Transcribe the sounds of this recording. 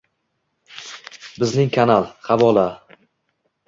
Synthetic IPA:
bɪznɪŋkʰanalˠχavɒlˠa

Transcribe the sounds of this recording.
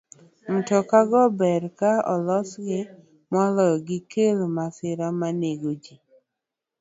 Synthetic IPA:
n̩tɔkaɡɔbɛɾkaɔ̰lɔsɡɪ | mɔlɔɡɪkelmasɪɾamaneɡod͡ʒi

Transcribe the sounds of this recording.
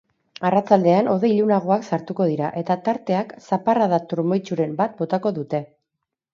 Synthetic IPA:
arat͡sald̪e̞ano̞ðe̞jʎunaɣ̞o̞aksaɾt̪uko̞ð̞iɾaʔe̞t̪at̪aɾt̪e̞aksaparaðat̪uɾmo̞jt͡ʃuɾe̞mbat̪̚bo̞t̪ako̞ðut̪e̞

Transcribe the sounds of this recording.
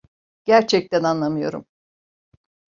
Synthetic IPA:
ɟ̥æɾt͡ʃʰɛc̚t̪ʰænanlˠamɯjo̞̰ɾṵm

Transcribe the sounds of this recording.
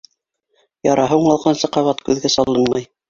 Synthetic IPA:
jɑɾɑɦɤuɴɑlˠqɑnsɤqɑβɑt̪kʉðɡæsɑlˠɤnmɑj

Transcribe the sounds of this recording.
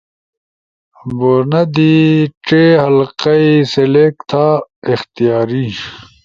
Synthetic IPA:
boɾnɐd̪iʈ͡ʂeɦɐlqɐiselekt̪ʰaːixt̪ijaːɾi

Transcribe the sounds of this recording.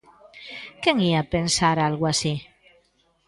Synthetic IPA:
keŋiapensaɾalɣwasi

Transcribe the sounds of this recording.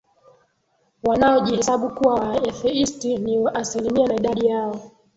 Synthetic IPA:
wanaɔʄihɛsaɓukuwawaɛθɛistiniʔasilimianaiɗaɗijaɔ

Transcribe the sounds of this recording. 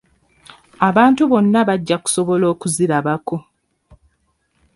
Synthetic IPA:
aβaːntuβo̞nːaβaɟːaku̥so̞βo̞lo̞ːkuziɾaβako̞

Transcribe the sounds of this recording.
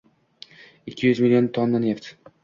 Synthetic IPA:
ɪkʲʰːɪjʏzmɪlʲiont̪ʰonːaneft̪

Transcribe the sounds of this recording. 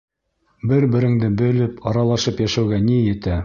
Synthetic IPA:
bɘɾbɘ̆ɾɘ̆ŋd̪ɘbɵ̆lɘpɑɾɑlˠɑʃɤpjæʃæwɡænijɘ̆t̪æ

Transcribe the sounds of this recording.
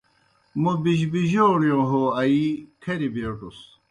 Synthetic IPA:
mubiɕbiʑoːɽjõːɦoɐikʰeɾibeʈus

